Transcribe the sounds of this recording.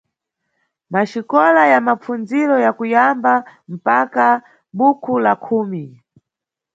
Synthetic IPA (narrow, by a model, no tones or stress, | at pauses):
maʃikɔlajamap͡fund͡ziɾɔjakujambam̩paka | ɓukʰulakʰuːmi